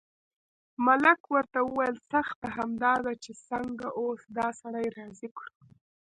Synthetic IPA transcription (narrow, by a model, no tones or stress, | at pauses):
malakwəɾt̪awəwajəlsaxt̪aɦamd̪ɑd̪at͡ʃesəŋɡaʔosd̪ɑsaɽajɾɑzikɽu